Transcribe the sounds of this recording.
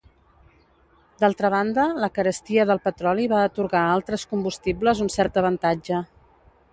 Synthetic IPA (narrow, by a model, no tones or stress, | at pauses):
d̪alˠt̪ɾəβ̞and̪ələkəɾəst̪iəðəlˠpət̪ɾɔliβaːt̪uɾɣaalˠt̪ɾəskumbust̪ibləzunsɛɾt̪əβ̞ənt̪ad͡ʒə